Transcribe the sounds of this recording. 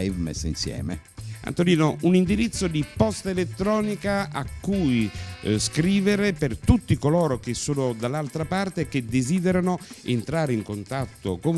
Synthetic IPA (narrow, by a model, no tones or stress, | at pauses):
vmḛsːeḭnsjɛ̰ːmḛ | a̰nt̪oliːnounind̪iɾit̪sːod̪ipɔst̪aelet̪ːɾɔːnikaakːujskɾiːveɾepert̪ut̪ːikoloːɾok̟esːoːnod̪alːalt̪ɾapart̪ek̟ed̪eziːd̪eɾanoent̪ɾaːɾeiŋkont̪at̪ːoko